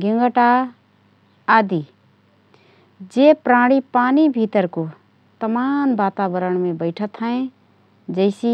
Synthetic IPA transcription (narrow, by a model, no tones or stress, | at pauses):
ɡɪŋɡəʈa | d̪i | d͡ʒepɾaːɽ̃ipaːnibʱit̪əɾko | t̪əmaːnbaːt̪aːbəɾəɳ̃mẽbəɪʈʰət̪ɦə̃ẽ | d͡ʒəɪsi